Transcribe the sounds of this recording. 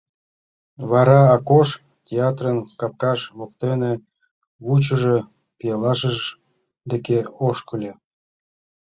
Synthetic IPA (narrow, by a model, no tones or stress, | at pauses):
βɑɾɑɑkoʃ | tʲeɑt̪rənkɑp̚kɑʃβokt̪ene | βut͡ɕəʒe | pijelɑʃəʒ | d̪ekeoʃkə̆lʲe